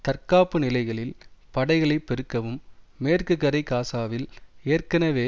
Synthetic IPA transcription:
t̪ɐrkaːpːɯnɪlɐɪɣɐɭɪlpɐɽɐɪɣɐɭɐɪpɛɾɯkːɐʋɯmmeːrkɯkːɐɾɐɪkaːsaːʋɪleːrkɐnɐʋeː

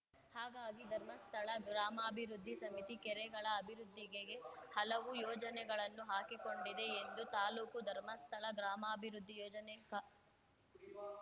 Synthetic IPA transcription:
haːɡaːɡid̪ʱɐɾmɐst̪ʰɐɭɐɡɾaːmaːbʱiɾud̪ʱːisɐmit̪ikɛɾɛɡɐɭɐːbʱiɾud̪ʱːiɡeɡe̞hɐlɐʋujɔːd͡ʒɐnɛɡɐɭɐnːuɦaːkiko̞ɳɖid̪e̞ːnd̪ut̪aːluːkud̪ʱɐɾmɐst̪ʰɐɭɐɡɾaːmaːbʱiɾud̪ʱːijɔːd͡ʒɐneŋkɐ

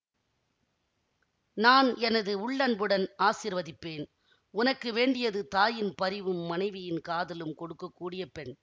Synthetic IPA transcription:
naːnɛnɐðɯʊɭːɐnbɯɽɐnaːsɪɾʋɐðɪpːeːn | ʊnɐkːɯʋeːɳɖɪjɐðɯt̪aːjɪnpɐɾɪʋɯmːɐnɐɪʋɪjɪnkaːðɐlɯmkɔɽɯkːɐkːuːɽɪjɐpɛɳ

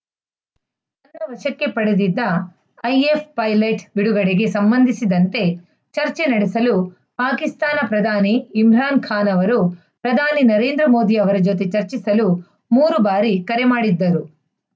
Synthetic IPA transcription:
ɐnd̪ɐʋɐʂɐkːe̞pɐɽed̪id̪ːɐː | jepʰpɐjlɐjʈbiɽuɡɐɽeɡe̞sɐmbɐnd̪ʱisid̪ɐnt̪e̞ | t͡ʃɐɾt͡ʃe̞nɐɽesɐlu | paːkist̪aːnɐpɾɐd̪ʱaːniːmɾaːnkʰaːnɐʋɐɾu | pɾɐd̪ʱaːninɐɾe̞ːnd̪ɾɐmo̞ːd̪iɐʋɐɾɐd͡ʒot̪e̞t͡ʃɐɾt͡ʃisɐlu | muːɾubaːɾikɐɾemaːɽid̪ːɐɾu

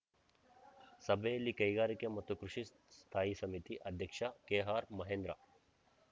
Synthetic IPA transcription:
sɐbelːikɐjɡaːɾikemɐt̪ːukɾuʃi | st̪ʰaːjisɐmit̪iʔɐd̪ʱjɐkʂakeːɦaːɾmɐɦẽːnd̪ɾa̰

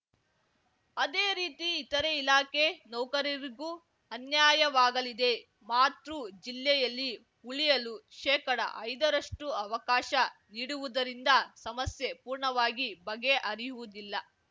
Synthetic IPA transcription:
ɐd̪eːɾiːt̪iːt̪ɐɾeilaːke̞nɔwkɐɾiɾiɡu | ɐnjaːjɐʋaːɡɐlid̪e̞ | maːt̪ɾud͡ʒilːɛjɐlːi | uɭijɐluʃɛːkɐɽɐ̰ʔɐjd̪ɐɾɐʂʈuɐʋɐkaːʃɐniːɽuʋud̪ɐɾind̪ɐsɐmɐsjepuːɾɳɐʋaːɡibɐɡe̞ʔɐɾijuʋud̪ilːɐ

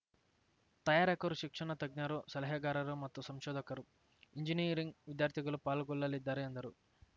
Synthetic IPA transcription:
t̪ɐjaːɾɐkɐɾuʃikʂɐnɐt̪ɐɡ̚ɲaɾusɐlɐɦɐɡaːɾɐɾumɐt̪ːusɐmʃɔːd̪ɐkɐɾu | iɲd͡ʒinijɐɾiŋɡʋid̪jaːɾt̪ʰiɡɐlupaːluɡɔlːɐlid̪ːaːɾiɐnd̪ɐɾu

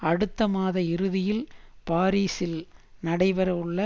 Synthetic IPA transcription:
ɐɽɯt̪ːɐmaːðɐɪɾɯðɪjɪlpaːɾiːsɪlnɐɽɐɪʋɐɾɐɯɭːɐ

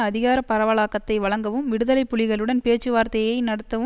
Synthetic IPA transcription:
ɐðɪɣaːɾɐpɐɾɐʋɐɭaːkːɐt̪ːɐɪʋɐɭɐŋɡɐʋɯmʋɪɽɯðɐlɐɪpːʊɭɪɣɐɭɯɽɐnpeːt͡ʃːɯʋaːɾt̪ɐjɐɪnɐɽɐt̪ːɐʋɯ

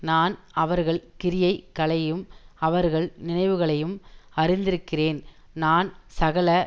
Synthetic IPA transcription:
naːn | ɐʋɐɾɣɐɭkɪɾɪjɐɪkːɐɭɐjɯmɐʋɐɾɣɐɭnɪnɐɪʋɯɣɐɭɐjɯmɐɾɪnd̪ɪɾɯkːɪreːn | naːnsɐɣɐɭɐ

